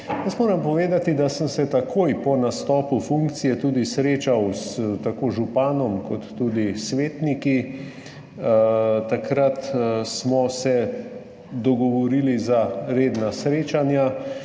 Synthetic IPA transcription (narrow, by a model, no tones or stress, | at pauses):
jəst̪moːɾɛmpɔʋeːd̪at̪id̪asəmsɛt̪akʰoːjpɔnast̪ɔːpufuŋk̚t̪sijɛt̪uːd̪isɾeːt͡ʃawst̪akoːʒupaːnɔmkɔt̪ːuːd̪isʋeːt̪niki | t̪akɾat̪smɔsɛ | d̪ɔɡɔʋɔɾilizaɾeːd̪nasɾeːt͡ʃanja